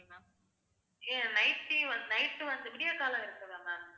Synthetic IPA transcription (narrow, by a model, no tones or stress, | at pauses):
maː | eːnɐɪʈːiʋɐnd̪nɐɪʈːɯʋɐnd̪ɯpɪɽɪjɐkaːlɐ̃ɪɾɯkːɯʋeːŋɡa